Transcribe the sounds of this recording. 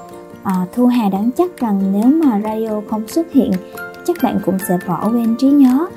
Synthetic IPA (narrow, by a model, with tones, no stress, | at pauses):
ʔəː˨˩t̪ʰu˧ɦaː˨˩ɗa˨˦ŋt͡ɕa˦˥k̚za˨˩ŋne˨˦wmaː˨˩zaː˧o˧xə˧wŋ͡mswə˦˥t̚hḭ˧˨ənt͡ɕa˦˥k̚ɓa̰ː˧˨nkʊ̰˧˥ŋ͡msɛ̰˧˥vɔ˧˩wɓe˧nt͡ɕi˨˦ɲɔ˨˦